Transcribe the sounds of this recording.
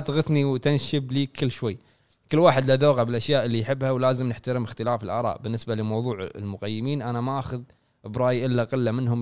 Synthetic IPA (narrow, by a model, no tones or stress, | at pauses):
t̪ɣɪθniwt̪ɪnʃɪbliːkʰɪlːʃwajː | kɪlːwaːħɪd̪laðoːɣabɪlʔaʃjaːʔɪlːijħɪbːhawlaːzɪmnɪħt̪aɾɪmɪxt̪ɪlaːfɪlʔɑ̰ːɾˤɑ̰ːʔbɪnːɪsbalɪmɑwðˤuːʕ̰lmʊqajːɪmiːnʔanamaʔaːxʊð | ʔɪbɾˤɑːjʔɪlːaqɪlːamɪnɦʊm